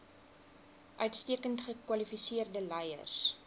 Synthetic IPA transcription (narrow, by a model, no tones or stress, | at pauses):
ʔœɥtstiəkəntχəkwɐlifisiərdəlɛjə̰rs